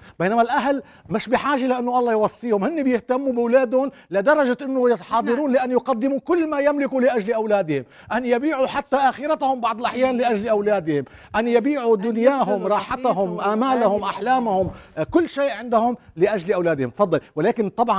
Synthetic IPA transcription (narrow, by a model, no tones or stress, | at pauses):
b̥ejnamalʔaɦl | mɪʃbɪħaːʒalaʔɪnːʊʔɑlˤːɑjwɑsˤːiːhʊmhɪnːibjɪht̪amːubɪwlaːd̪hʊn | lad̪ɑɾˤɑʒaʔɪnːʊjɪt̪ħɑːd̪ˤɑɾuːnlɪʔanːjʊqɑd̪ːɪmukʊlːmajamlɪkulɪʔaʒlʔawlaːd̪ɪhɪm | ʔanːjabiːʕuħat̪ːaʔaxɪɾat̪ahʊmbɑʕd̪ˤɪlʔaħjaːnlɪʔaʒlʔawlaːd̪ɪhɪmʔanjabiːʕud̪ʊnjaːɦʊmɾˤɑːħat̪aɦʊmʔamaːlahʊmʔaħlaːmahʊmkʊlːʃeːʔʕɪnd̪ahʊmlɪʔaʒlʔawlaːd̪hɪ̰mt̪ɑfɑd̪ˤːɑlwɪlaːkɪnt̪ˤɑbʕɑn